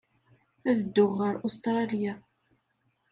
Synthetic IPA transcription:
æðəd̪ːʊʁːəɾʊst̪ɾˤɑlja

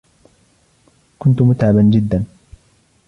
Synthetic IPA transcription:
kʊnt̪ʊmʊt̪ʕaband͡ʒɪd̪ːan

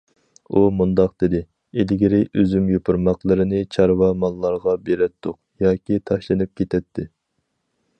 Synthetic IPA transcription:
umund̪ɑqd̪̥ɪd̪ɪ | elɡʲiɾɪʔøzymjopʰuɾmɑqlˠəɾɪnɪt͡ʃʰɑɾwɑmɑlˠːɑɾʁɑbeɾɛt̪ʰːʊqjɑːkʲit̪ʰɑʃlˠɨnɨp̚kʲʰet̪ʰɛt̪ʰːɪ

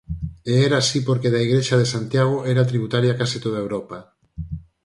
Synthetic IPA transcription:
eɛɾaːsipoɾkeðaiɣɾeʃaðesant̪jaɣ̞oʔɛɾat̪ɾiβut̪aɾjakasit̪oðaewɾopa

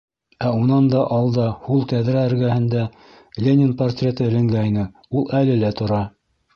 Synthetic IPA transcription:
æunɑnd̪ɑʔɑlˠd̪ɑhulˠt̪æðɾæɘ̆ɾɡæhɘ̆nd̪æ | lʲenʲɪnport̪rʲet̪ɤɘ̆lɘ̆ŋɡæjnɘ | ulˠʔælɘlæt̪ŏɾɑ

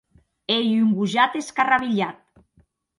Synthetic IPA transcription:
ejuŋbuʒat̪eskaraβiʎat̪̚

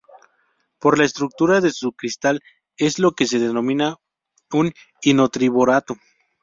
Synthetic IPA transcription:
po̞ɾlaest̪ɾuk̚t̪uɾaðe̞sukɾist̪al | e̞zlo̞ke̞s̬e̞ðeno̞mĩna | un | ino̞t̪ɾiβoɾat̪o

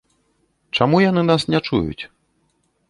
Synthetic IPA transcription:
t͡ʂamujanɨnasnʲɛt͡ʂṵjṵt͡sʲ

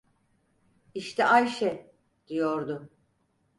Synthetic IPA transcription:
iʃt̪ʰɛʔajʃɛ | d̪̥ijo̞ɾd̪ʊ

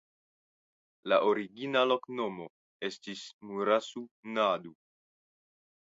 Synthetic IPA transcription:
laʔoɾiɡinalo̞kno̞mo̞ | e̞stismuɾasunadu

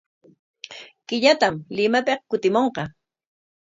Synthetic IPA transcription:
kɪʎat̪amlɪmapeχkʊt̪ɪmoɴqɑ

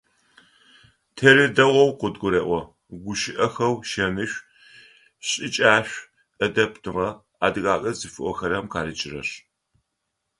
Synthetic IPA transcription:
tʰɐɾɨdɐʁʷɔwqʷʊdɡʷʊɾeːʔʷɔ | ɡʷʊʃɪʔɐxɐwʃɐmɨɕʷᶣ | ɕʼɪt͡ʃʼaːɕʷ | ʔɐdɐpʰtʰɨʁɐ | aːdɨɣʼaːkʼɐzɨfɨʔʷɔxɐɾɐmqʰaːɾɨt͡ʃʼɪrɐ̰ɕ

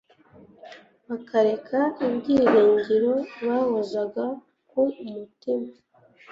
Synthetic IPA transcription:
βakaɾe̞kʰaiβɡiːɾeːɲɟiɾo̞βahozaɡa | kumutima

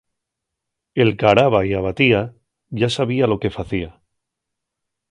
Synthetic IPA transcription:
e̞lkaɾaβaiaβat̪ia | ʝasaβ̞ialo̞ke̞faθia

